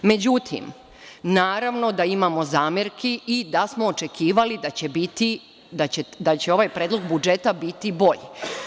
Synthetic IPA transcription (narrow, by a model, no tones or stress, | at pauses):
me̞d͡ʑut̪ʰḭm | naːɾaʋno̞d̪aimamo̞zaːmeɾkʰiʔid̪asmo̞ːt͡ʃe̞kʰiːʋalid̪at͡ɕebit̪i | d̪at͡ɕed̪at͡ɕeoʋaːjpɾeːd̪loɡbud͡ʒe̞t̪abit̪ibo̞ʎe